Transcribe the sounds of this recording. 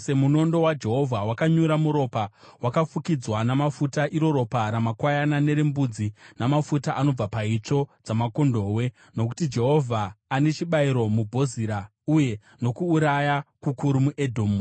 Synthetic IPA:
se̞muno̞ndo̞wad͡ʒe̞ɦo̞vʱawakaɲuɾamuɾo̞pa | wakafukid͡zwanamafutaʔiɾo̞ɾo̞paɾamakwajanane̞ɾembud͡zinamafutaʔano̞b͡vapait͡ʂo̞d͡zamako̞ndo̞ːwe̞ | no̞k̬u̥tid͡ʒe̞ɦo̞vʱaːne̞t͡ʃiɓaiɾo̞mubʱo̞ziːɾa | uje̞ | no̞kuːɾajakukuɾumuʔedʱoːmu

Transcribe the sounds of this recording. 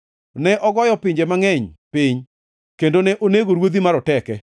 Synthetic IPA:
nɛʔɔɡɔjɔpɪɲd͡ʒemaŋɛɲpɪɲ | kendonɛʔoneɡoɾwod̪imaɾɔtɛkɛ

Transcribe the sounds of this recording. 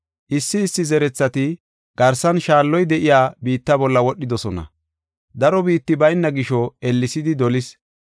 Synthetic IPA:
ʔɪsːɪːsːɪzɛɾɛt͡sːɐt̪ɪ | ɡ̥ɐɾsɐnʃaːlːɔjd̪ɛʔɪjaːbiːt̪ːɐbɔlːɐwɔɗːɪd̪ɔsɔnɐ̰ | d̪ɐɾɔbiːt̪ːɪbɐjnːɐɡɪʃɔɛlːɪsɪd̪ɪd̪ɔlɪs

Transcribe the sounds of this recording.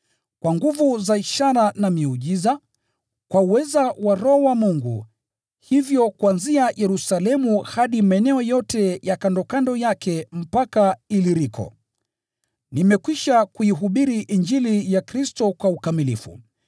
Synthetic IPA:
kwaŋɡuvuzaiʃaɾanamiuʄiza | kwauwɛzawaɾɔːwamuŋɡṵ | hivjɔkuanziajʔɛɾusalɛmuhaɗimaɛnɛɔjɔtɛjakandɔkandɔjakɛm̩pakailiɾikɔ̰ | nimɛkwiʃakuiɦuɓiɾiʔind͡ʒilijakɾistɔkwaukamilḭfṵ

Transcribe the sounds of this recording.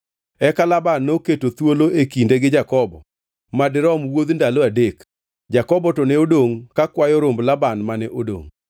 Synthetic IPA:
ɛkalabanːoketot̪woloʔekindeɡɪd͡ʒakɔbɔ | madɪɾɔmwod̪ndaloadek | d͡ʒakɔbɔtɔnɛodoŋkakwajɔɾomblabanmanɛʔodo̰ŋ

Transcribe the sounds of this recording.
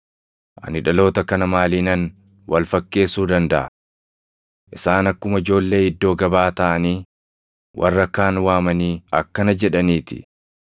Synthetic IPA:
ʔɐ̰nɪᶑɐlo̞ːt̪ɐkɐnɐmaːliːnɐn | wɐlfɐkːe̞ːsuːd̪ɐnd̪ɐʔɐ̰ | ʔɪsaːnɐkːʊmɐɪd͡ʒo̞ːlːe̞ːɪd̪ːo̞ːɡɐbaːt̪ɐʔɐniː | wʔɐ̰rːɐkːaːnwaːmɐniːɐkːɐnɐd͡ʒɛᶑɐniːt̪ɪ̥̰

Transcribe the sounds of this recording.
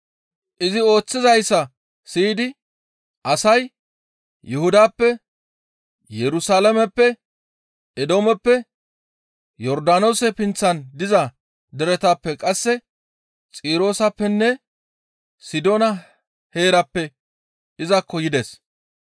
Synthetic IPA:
ʔɪzɪo̞ːt͡sːɪzɐjsːɐ | siːd̪ɪ | ʔɐsɐj | jʔɛhʊd̪aːpːɛ | jɛɾʊsaːlɐmɛpːɛ | ʔɛd̪o̞ːmɛpːɛ | jɔɾd̪aːno̞ːsɛpɪnt͡sːɐnd̪ɪzɐ | d̪ɛɾɛt̪aːpːɛkʼɐsːɛ | t͡sʼiːɾo̞ːsɐpːɛnːɛ | sɪd̪o̞ːnɐ | he̞ːɾɐpːɛ | ʔɪzɐkːɔjɪd̪es

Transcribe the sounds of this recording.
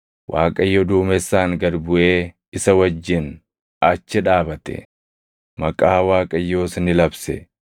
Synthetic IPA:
wʔaːkʼɐjːɔd̪uːmɛsːaːŋɡɐɾbʊʔe̞ː | ɪsɐwɐd͡ʒːɪn | ʔɐt͡ʃːɪᶑaːbɐt̪ɛ̰ | mɐkʼaːwaːkʼɐjːo̞ːsnɪlɐbsɛ

